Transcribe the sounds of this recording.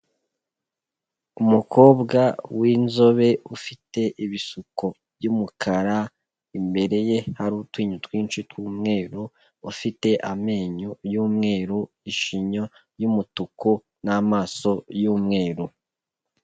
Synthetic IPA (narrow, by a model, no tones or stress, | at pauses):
umukʰo̞ːbɡawinzo̞βe̞ufite̞ʔiβisuko | bjumukʰaɾa | imbe̞ɾe̞jehaɾuːtwiːɲutwiːnt͡ʃitwuːmŋe̞ːɾo | ufite̞ʔame̞ːɲojuːmŋe̞ːɾo | iʃiɲo | jumutuko | namaːso̞juːmŋe̞ːɾu